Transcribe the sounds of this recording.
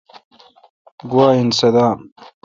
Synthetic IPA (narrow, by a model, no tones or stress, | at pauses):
ɡuwaːinsɐd̪aːm